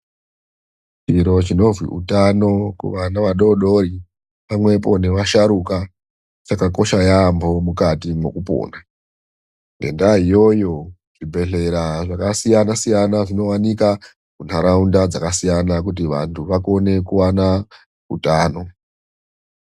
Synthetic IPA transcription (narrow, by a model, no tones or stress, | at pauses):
t͡ʃiɾo̞t͡ʃino̞vwḭʔṵtano̞kṵʋanaʋaɗo̞ɗo̞ɾi | pamwe̞po̞ne̞ʋaʃaɾuka | t͡ʃakakoʃajambo̞mukatimo̞̰kupo̰ːna | ŋɡe̞̰ndaɦijo̞jo̞ | ʐibʱe̞ɬe̞ɾaʐakasijanasijanaʐino̞wanika | kun̤aɾaundad͡zakasijanak̬ut̬iʋa̰ntʰuʋako̞ne̞kuwana | ṵtaːno̞